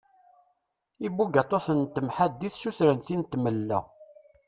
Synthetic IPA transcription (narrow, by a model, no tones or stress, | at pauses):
ibuɡat̪ˤːoθənt̪ːəmħad̪ːiθʃuθɾənt̪int̪məlːæ̰